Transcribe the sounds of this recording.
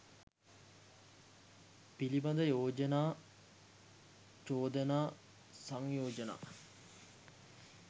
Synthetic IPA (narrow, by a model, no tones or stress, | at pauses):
pilibɐd̪əjoːd͡ʒənaː | t͡ʃoːd̪ənaː | saŋjoːd͡ʒəna̰ː